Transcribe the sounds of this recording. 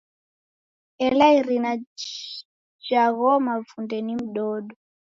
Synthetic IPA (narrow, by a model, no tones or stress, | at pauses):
ɛlaiɾina | d͡ʒaɣɔmavundɛnim̩ɗɔːɗɔ